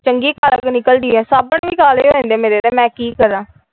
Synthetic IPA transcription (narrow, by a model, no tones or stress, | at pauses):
t͡ʃəŋɡeːkaləknɪkəld̪iːɛːsaːbəɳʋiːkaːleoɾẽːnd̪eːmeːɾeːt̪eːmɛ̃ːkiːkəɾãː